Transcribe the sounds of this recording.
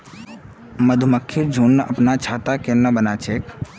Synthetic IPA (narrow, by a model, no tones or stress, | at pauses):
məd̪ʱuməkʰːiɾd͡ʒʱunːəəpnat͡ʃʰaːt̪akennːəbənat͡ʃʰeːk